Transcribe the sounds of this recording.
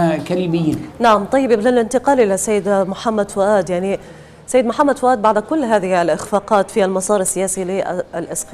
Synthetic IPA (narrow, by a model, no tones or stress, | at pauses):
kalibɪjːnaʕamt̪ˤɑjːɪbblalɪnt̪ɪqɑːlʔɪlasajːɪd̪mʊħamːad̪fʔaːd̪jaʕni | sajːɪd̪mʊħamːad̪fʊʔaːd̪̚baʕd̪kʊlːɦaːðɪhalʔɪxfaːqɑːt̪fialmɑsˤɑːɾˤasːɪjaːsiliʔalʔɪsqː